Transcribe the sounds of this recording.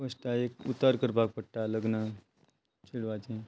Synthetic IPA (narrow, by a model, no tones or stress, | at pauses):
əsʈaekut̪ːaɾkəɾpak̚pəʈʈaləɡnə | t͡ɕʰiɽʋat͡ɕẽ